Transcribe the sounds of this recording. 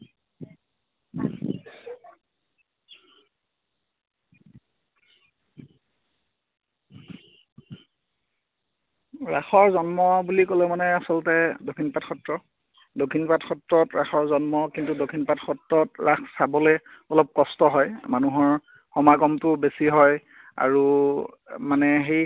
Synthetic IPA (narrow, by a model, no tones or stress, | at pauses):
ɹaxɔɹzɔnmɔbulikɔlɛmanɛasɔlɔtɛdokʰinpatxɔtɹɔ | dokʰinpatxɔtɹɔtɹaxɔɹzɔnmɔkintudokʰinpatxɔtɹɔtɹaxsabɔlɛɔlɔp̚kɔstɔɦɔjmanuɦɔɹ | xɔmaɡɔmtʊbesiɦɔj | a̰ɹu | manɛɦej